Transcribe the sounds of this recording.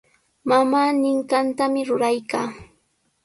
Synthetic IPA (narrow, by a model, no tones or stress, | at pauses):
mamaːnɪɴkant̪amɪɾʊɾajkaː